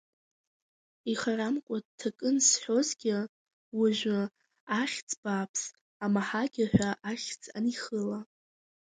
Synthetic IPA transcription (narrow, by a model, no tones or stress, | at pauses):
iχaɾamkʷʼadtʰakʼɨnsħʷo̞zɡʲɪ | waʒᶣʷɨ | aχʲt͡sʼb̥apʰs | amaħaɡʲɪħʷᶣaʔaχʲt͡sʼa̰niχəla